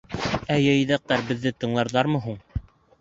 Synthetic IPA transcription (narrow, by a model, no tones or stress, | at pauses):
æjɤ̆jðæq̚t̪ɑɾbɘ̆ðːɘt̪ɤ̆ɴlˠɑɾðɑɾmɤ̆ɦuɴ